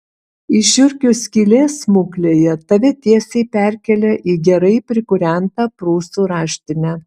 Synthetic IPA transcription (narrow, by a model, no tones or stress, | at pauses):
iʃʲʊɾʲkʲʊsʲkʲiːlʲeːsmʊklʲeːjɛt̪ɐʋʲɛt̪ʲiɛsʲɛɪpʲæɾʲkʲɛlʲɛʔiːɡʲɛɾɐɪpʲɾʲɪkʊɾʲæˑnt̪ɑpɾuːst̪uːɾɑːʃʲt̪ʲɪnʲæ